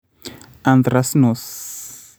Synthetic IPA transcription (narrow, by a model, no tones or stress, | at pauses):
and̪ɾasnos